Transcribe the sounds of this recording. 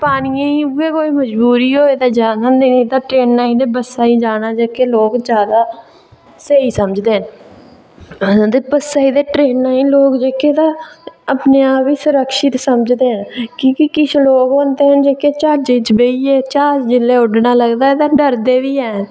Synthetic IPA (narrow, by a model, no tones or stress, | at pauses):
paːniãiɡeːkoːiːməd͡ʒbuːɾiːɦoːeːt̪aːd͡ʒaːnːnd̪eːnĩːt̪ãːʈɾeːnːaːĩːd̪eːbəsːaːiːd͡ʒaːnaːd͡ʒeːkeːloːkd͡ʒjaːd̪aː | seiːsəməd͡ʒd̪eːɦən | d̪eːbəsaːid̪eːʈɾeːnnaːĩːloːkd͡ʒeːkeːt̪ãːəpneːaːpiːsʊɾəkʃɪt̪səməd͡ʒd̪eːɦənkikikɪt͡ʃʰloːkɦoːnd̪eːɦənd͡ʒeːkeːt͡ʃaːɾd͡ʒiːt͡ʃbeiːeːt͡ʃaːd͡ʒd͡ʒɪlːeːʊɖnaːləɡd̪aːet̪ãːɖəɾd̪eːʋiːɛːn